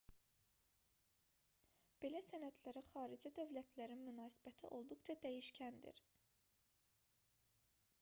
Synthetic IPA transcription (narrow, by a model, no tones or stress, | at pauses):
b̥e̞læsænæt̪ʰlæɾæxɑːɾid͡ʒid̪ø̞vlæt̪ʰlæɾinmynɑːsi̥bæt̪ʰiʔo̞lˠd̪uχt͡ʃʰɑd̪æjiʃcʰænd̪ḭɾ